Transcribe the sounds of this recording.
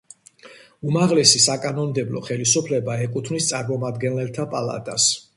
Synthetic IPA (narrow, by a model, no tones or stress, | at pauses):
umaʁlɛsisakʼanɔnd̪ɛblɔ̰χɛlisupʰlɛbaɛkʼut̪ʰmnist̪sʼaɾmɔmad̪ɡɛnlɛlt̪ʰapʼalˠa̰t̪ʼas